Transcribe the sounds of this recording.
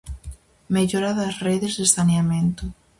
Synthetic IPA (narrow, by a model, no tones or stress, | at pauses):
meʎoɾaðɐsreðɪzðesaneamẽnt̪ʊ